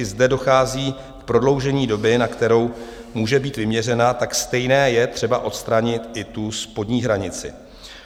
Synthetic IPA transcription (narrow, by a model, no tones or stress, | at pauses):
ɪzdɛdo̞xaːziː | fpɾo̞dlo̞wʒɛɲiːdo̞bɪnakt̪ɛɾo̞w | muːʒɛbiːt̪vɪmɲɛrɛnat̪akst̪ɛjnɛːjɛt̪r̝̥ɛbaʔo̞t̪st̪ɾaɲɪt̪ʔɪt̪uspo̞dɲiːɦɾaɲɪt͡sɪ̰